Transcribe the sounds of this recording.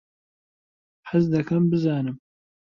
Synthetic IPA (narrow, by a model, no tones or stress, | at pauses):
ħɨzd̪ɐkʰɐmbɨzaːnɨm